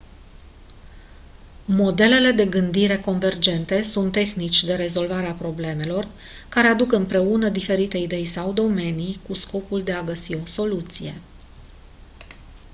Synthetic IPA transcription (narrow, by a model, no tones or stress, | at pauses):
mo̞d̪e̞le̞le̞d̪e̞ɡɨnd̪iɾe̞ko̞nve̞rd͡ʒe̞nt̪e̞sunt̪ːe̞xnit͡ʃʲd̪e̞ɾe̞zo̞lvaɾeapɾo̞ble̞me̞lo̞r | kaɾe̞ad̪ukɨmpɾe̞unəd̪ife̞ɾit̪e̞id̪e̞jsawd̪o̞me̞nijkusko̞puld̪e̞aɡəsio̞so̞lut̪sije̞̰